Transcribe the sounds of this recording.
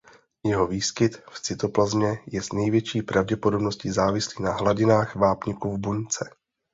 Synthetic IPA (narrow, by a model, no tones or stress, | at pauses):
jɛɦo̞viːskɪt̪ft͡sɪt̪o̞plazmɲɛjɛznɛjvjɛt͡ʃiːpɾavɟɛpo̞do̞bno̞scizaːvɪsliːnaɦlaɟɪnaːxvaːpɲɪkuvbuɲt͡sɛ